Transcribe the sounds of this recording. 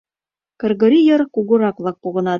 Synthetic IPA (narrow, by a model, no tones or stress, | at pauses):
kɤ̆rɣɤ̆ɾʲijɤ̆rkuɣŭɾɑklˠɑk̚puɣɤ̆nɑt̪̚